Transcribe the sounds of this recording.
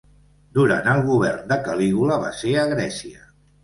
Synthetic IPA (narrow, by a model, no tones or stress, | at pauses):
d̪uɾa̰nəlˠɣuβ̞ɛrnd̪əkəliɣuləβa̰seəɣɾɛsiə̰